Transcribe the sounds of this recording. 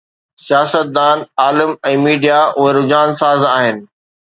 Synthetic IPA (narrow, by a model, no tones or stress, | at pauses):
sijaːsət̪̚d̪aːnaːlɪmɛ̃ːmiːɖijaʔʊɦeɾʊd͡ʑaːnsaːzaːɦɪnɪ̆